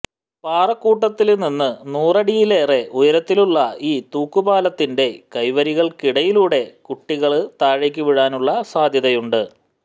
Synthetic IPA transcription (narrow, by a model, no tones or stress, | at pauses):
paːrɐkːuːʈːɐt̪ːilninːɨnuːrɐɽijile̞ːre̞ʔujɐɾɐt̪ːiluɭːɐiːt̪uːkːubaːlɐt̪ːinde̞kɐjʋɐɾiɣɐɭkiɽɐjiluːɽe̞kuʈːiɣɐɭt̪aːɻikʲːuʋiɻaːnuɭːɐsaːd̪ʱjɐðɐjuɳɖɨ